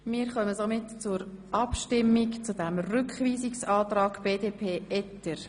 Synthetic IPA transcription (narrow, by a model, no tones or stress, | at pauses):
miːɾχœməzomɪtt͡sʊɾʔɑpʃtɪmɪkt͡sudɛmrʏkχviːzɪksɑːtɾɑːɡb̥eːdeːpʰeːʔɛtːəɾ